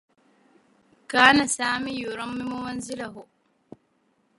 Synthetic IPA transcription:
kaːnasaːmijuɾɔmːimumɐnzilɐɦu

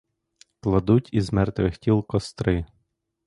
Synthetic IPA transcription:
klˠɐd̪utʲizmɛrt̪ʋɪxtʲilˠkɔst̪ɾɪ

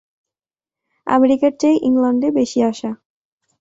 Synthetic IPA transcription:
a̰meɾikaɾʈejʔiŋlaɳɖebeʃiaʃa

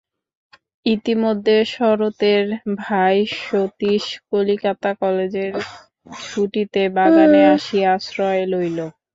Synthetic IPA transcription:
it̪imod̪ʱːeʃɔɾot̪eɾbʱajʃot̪iʃkolikat̪akɔled͡ʑeɾ | ʃʰuʈit̪ebaɡaneaʃieaʃɾɔelojlo

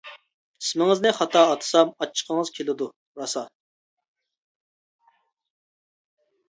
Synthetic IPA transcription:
ismɪŋɪznɨχɑt̪ʰɑːt̪ʰɨ̥sɑmɑt͡ʃʰːə̥qʰəŋəz̥kʲʰelɪd̪u | ɾɑsɑ

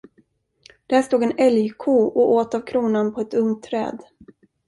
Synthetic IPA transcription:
d̪̥æʂt̪uːɡɛnɛljkʰuːʔɔʔoːt̪avkʰɾuːnanpʰɔɛt̪ɵŋt̪ʰːɾɛ̰ːd̪

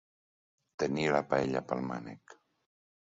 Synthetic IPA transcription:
t̪enilapaeʎapalma̰nḛk

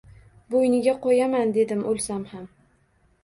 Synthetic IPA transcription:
bojnɪɡʲaqʰojamand̪e̞d̪ɪmʔolˠsamham

